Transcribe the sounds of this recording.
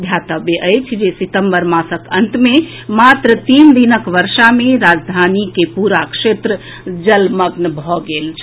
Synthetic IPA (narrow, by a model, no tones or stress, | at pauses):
d̪ʱjat̪əbjeʔəjt͡ʃʰd͡ʒesit̪əmbəɾmasəkənt̪me | mat̪ɾət̪ind̪inəkʋəɾʃameɾad͡ʒd̪ʱanikepuɾakʃet̪ɾə | d͡ʒəlməɡnəbʱɔɡelt͡ʃʰ